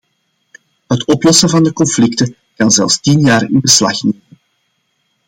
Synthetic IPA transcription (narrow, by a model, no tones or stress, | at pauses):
ɦətɔplɔsəvɑndəkɔnflɪktə | kɑnzɛ̰lˠfstinjaːrɪ̰nbəslɑ̰xneːmən